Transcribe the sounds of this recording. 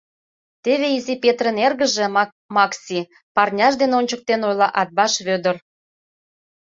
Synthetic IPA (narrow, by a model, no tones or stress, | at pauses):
t̪eβeizipet̪rə̆nerɣə̆ʒĕ | mɑksʲi | pɑrnʲɑʃd̪eneonʲt͡ɕək̚t̪enojlɑʔɑt̪̚bɑʃβød̪ə̆r